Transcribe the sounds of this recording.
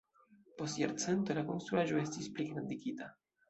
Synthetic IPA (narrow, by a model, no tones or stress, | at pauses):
po̞stja̰ɾt͡sent̪o̞lako̞nst̪ɾuaʒo̞e̞stispleɡɾand̪iɡita